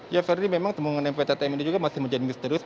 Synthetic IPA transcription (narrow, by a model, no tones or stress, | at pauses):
jafɛrdimemaŋt̪əmuŋanampfet̪at̪amindid͡ʒuɡamasɪhməɲd͡ʒadɪŋmist̪əɾʊs